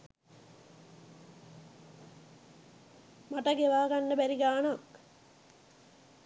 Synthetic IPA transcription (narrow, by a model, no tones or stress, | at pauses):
maʈəɡeʋaːɡanːəbæɾiɡaːnak